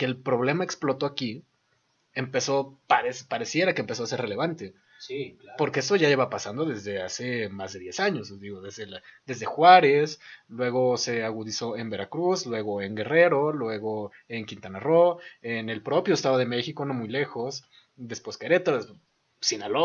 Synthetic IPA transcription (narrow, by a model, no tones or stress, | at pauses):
keːlpɾo̞β̞le̞mae̞ksplo̞t̪o̞aki | empe̞so̞paɾespaɾe̞sje̞ɾakeːmpe̞so̞ase̞ɾrele̞β̞ant̪e | sipo̞ɾkeeso̞ʝaʝeβapasand̪o̞ðe̞zðe̞ase̞mazðe̞ðje̞saɲo̞sd̪iɣoðezðeld̪e̞zðe̞xwaɾe̞slwe̞ɣo̞se̞aɣuðiso̞e̞mbe̞ɾakɾuslwe̞ɣo̞e̞ŋɡe̞re̞ɾo̞lwe̞ɣo̞ | eŋkint̪anaroene̞lpɾo̞pjo̞est̪aðoð̞e̞me̞xiko̞no̞mujle̞xo̞s | d̪espweskeɾe̞t̪oes | sinalo